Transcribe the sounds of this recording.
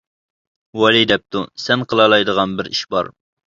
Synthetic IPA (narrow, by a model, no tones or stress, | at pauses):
wɑlˠid̪ɛp̚t̪usɛnqʰəlˠɑlˠɑjd̪əʁɑnbɪɾiʃbɑ̰ɾ